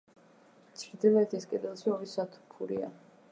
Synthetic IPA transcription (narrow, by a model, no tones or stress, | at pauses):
t̪sʰɾd̪ivɛt̪ʰiskʼɛd̪ɛlˠʃiɔvisat̪ʰupʰuɾḭa̰